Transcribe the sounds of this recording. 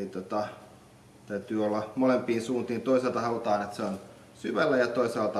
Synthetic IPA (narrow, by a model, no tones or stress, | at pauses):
lit̪ot̪ɑ | t̪æyt̪yːolːɑmolempiːnsuːnt̪iːnt̪oiselt̪ɑhɑut̪ɑːnet̪seon | syʋælːæjɑt̪oisɑːlt̪ɑ